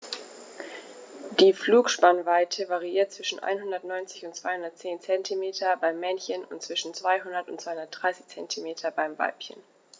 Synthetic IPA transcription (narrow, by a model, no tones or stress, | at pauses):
d̥iːfluːkʃpanvaɪtʰəvaʁiʔiːɐt̚t͡sv̥ɪʃn̩ʔa̰ɪnɦʊndɐtnɔʏnt͡sɪçʊntt͡sv̥aɪhʊndɐt̚t͡seːnt͡sɛntʰimeːtʰɐbaɪmːɛnçənʊ̰ntt͡sv̥ɪʃn̩t͡sv̥aɪɦʊndɐtʊntt͡sːv̥aɪʊndɐt̚d̥ʁaɪsɪ̥çt͡sɛntʰimeːtʰɐbaɪmva̰ɪpçə̰n